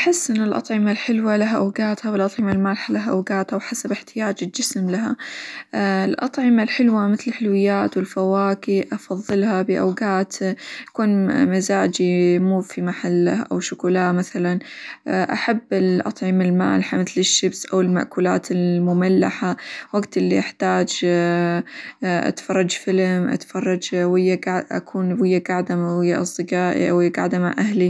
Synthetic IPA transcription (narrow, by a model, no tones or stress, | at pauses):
ʔaħɪsːʔɪnːɪlʔɑ̰t̪ˤʕɪmalħɪlwalaɦaʔawɡaːt̪hawɪlʔɑt̪ˤʕɪmalmaːlħalaɦaʔawɡaːt̪hawħasabɪħt̪ɪjaːd͡ʒɪld͡ʒɪsmlaɦa̰ | ɪlʔɑt̪ˤʕɪmalħɪlwamɪθlɪlħɪlwɪjːaːt̪wɪlfawaːkiʔɑfɑðˤːɨlhabɪʔawɡaːt̪kuːnmazaːd͡ʒimuːfimaħalːaʔa̰wʃʊkʊlaːʔmaθalanʔaħabːɪlʔɑt̪ˤʕimɪlma̰ːlħamɪθlɪʃːɪbsʔawɪlma̰ʔkuːla̰ːt̪ɪlmʊmalːaħawaɡt̪ʔɪlːiʔaħt̪aːd͡ʒ | ʔa̰t̪fɑrˤːɑd͡ʒfɪlmʔa̰t̪fɑrˤːɑd͡ʒwɪjːaɡʕʔa̰kʰuːnwɪjːaɡaʕd̪amawɪjːaʔsˤd̪ɨɡaːʔḭʔawɪjːaɡaʕd̪ama̰ʔahli